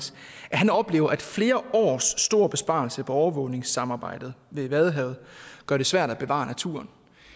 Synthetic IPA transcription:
s | ʔæɦænɒ̽b̥le̝ːʊɐʔæd̥fle̝ːɐʔɒ̰ːsːd̥o̝ɐ̰b̥e̝sb̥ɑ̰̈l̩səpʰɒ̽ɒʊɐʋɔ̽ʊne̝ŋsɑ̈mɑ̈ːb̥ɑ̈ɪ̰d̥ð̩ˠʋe̝ʋæð̞ˠɦɛʊð̩ˠɡ̥ɶɐɾ̥e̝sʋæɐ̰d̥æb̥e̝ʋɑ̰̈næt͡sʰṵːɐn

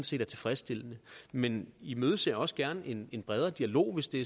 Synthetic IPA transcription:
nse̝̰ːd̥æɐt͡sʰe̝fʁasd̥e̝l̰ənəmenimøːð̞ˠse̝ɐ̰jɒ̽sə̥ɡ̥æɐnʔe̝ne̝nb̥ʁɛð̞ˠɐd̥iælo̝̰ːʋe̝sd̥e̝

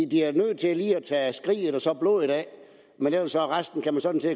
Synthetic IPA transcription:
d̥iæɐnøð̰ˠt͡sʰe̝æliːæt͡sʰɛːsɡ̥ʁḭːð̩ˠɒsɒ̽b̥lɔ̰ːðˠid̥ɛ | menelɐsɒ̽ʁasd̥n̩kʰæmænsɒ̽d̥n̩t͡sʰe̝

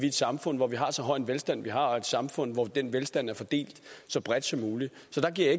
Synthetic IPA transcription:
ʋied̥sɑ̈mfɔ̽n̰ʋɒʋiɦɑ̈sɒ̽ɦɒ̽ɪ̰enʋelsd̥æn̰ʋiɦɑ̈ɒe̝d̥sɑ̈mfɔ̽n̰ʋɒd̥enʋelsd̥æn̰æɐfɒ̽d̥e̝̰ːld̥sɒ̽b̥ʁɛd̥sɒ̽mːuːlisɒ̽d̥ɑ̈ɡ̥iɐ̰je

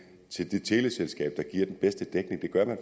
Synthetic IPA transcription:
t͡sʰe̝ld̥e̝t͡sʰe̝ːleselsɡ̥ɛ̰ːb̥̚d̥ɑ̈ɡ̥iɐ̰d̥enb̥esd̥əd̥eɡ̥ne̝ŋd̥e̝ɡ̥ɶɐmæn

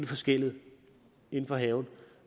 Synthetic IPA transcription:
ləfɒ̽sɡ̥el̰ið̩ˠ | e̝n̩fɒ̽ɦɛʊn̩

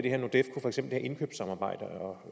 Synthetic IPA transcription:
d̥e̝heɐno̝d̥efkʰu̥fɒeɡ̥semb̥l̩̥hæʔe̝nkʰø̰ːb̥sɑ̈mɑ̈ːb̥ɑ̈ɪ̰d̥əɒ

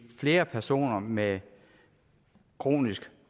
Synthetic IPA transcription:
fle̝ːɐpʰæɐso̝̰ːnɐme | kʰʁo̝̰ːnisɡ̥

